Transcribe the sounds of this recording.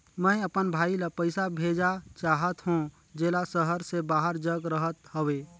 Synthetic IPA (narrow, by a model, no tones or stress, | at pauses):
mə̃əpənbʱaːilapəɪsabʱeːd͡ʒat͡ʃaːɦət̪ɦũ | d͡ʒeːlasəɦəɾsebaːɦəɾd͡ʒəɡɾəɦət̪ɦoweː